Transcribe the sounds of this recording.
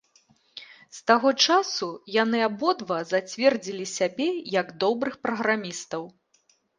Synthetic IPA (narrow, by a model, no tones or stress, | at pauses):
st̪aɣɔt͡ʂasujanɨabɔd̪vɐzat͡sʲvʲɛrd͡zʲilʲisʲabʲɛjɐɡd̪ɔbɾɨxpɾɐɣɾamʲist̪ɐw